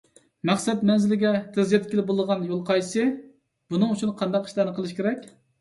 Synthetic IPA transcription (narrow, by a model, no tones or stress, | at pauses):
mɛχsɛt̪mɛnzɪlɪɡʲɛt̪ʰɨzjɛt̪kʲiɪlɪbolˠd̪əʁɑnjolˠqʰɑjsɨ | b̥unɨŋut͡ʃʰunqʰɑnd̪ɑqi̥ʃlæɾnɨqʰəlˠɨʃkʲʰeɾɛkʲ